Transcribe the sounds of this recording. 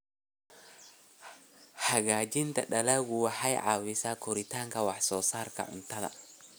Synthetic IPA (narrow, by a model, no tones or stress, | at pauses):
ħaɡaːd͡ʒɪnt̪ɐɗɐlaɡuwaħajʕa̰ːwɪsakʰɔɾit̪aːŋkɐwaħsɔːsaːɾkɐ̰ʕʊ̰nt̪ɐðɐ̰